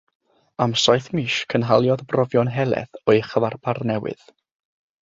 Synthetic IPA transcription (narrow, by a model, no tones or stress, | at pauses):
amsɔjθmiʃkʰənɦalˠjɔðbrɔvjɔnɦɛlˠɛ̰θɔɨχəvarbarnɛwɨ̰ð